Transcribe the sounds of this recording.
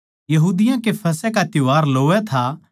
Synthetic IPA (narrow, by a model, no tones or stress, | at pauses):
jɐɦuːd̪ɪjãkepʰɐsɛkat̪jʊaːɾloːɛt̪ʰa